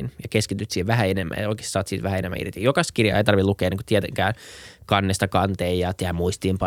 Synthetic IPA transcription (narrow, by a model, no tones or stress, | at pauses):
njɑkeskit̪yt̪siːheʋʋæɦæenemːʔæ̰jɑoike̥ssɑːt̪siːt̪ʋæhæenḛmæ̰ḭrt̪ijokɑskirjɑ̰ḛit̪ɑrʋilukeːenːeŋkot̪iɛt̪ḛŋkæːnkɑnːest̪ɑkɑnt̪eːjjɑt̪ehæmuist̪iːmpɑ